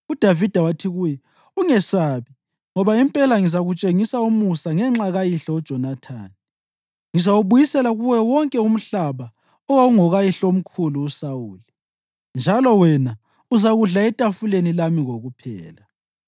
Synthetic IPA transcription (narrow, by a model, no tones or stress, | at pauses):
ud̥ʱavid̥ʱawatʰiɣujɛ | uŋɛsaːβi | ŋɔβaimpʼɛlaŋizaɣut͡ʃʼeŋisaumusaŋɛŋ͡ǁaɣajiɬɔɔd̥ʒ̥ʱɔnatʰa̰ːni | ŋizawuβujisɛlaɣuwɛwɔŋkʼɛum̩ɬaβa | ɔwaɣuŋɔɣajiɬom̩kʰuluːsawuːli | nd͡ʒʱalɔwɛna | uzaɣuɮaɛtʼafulenilamiɣoɣupʰɛ̰ːla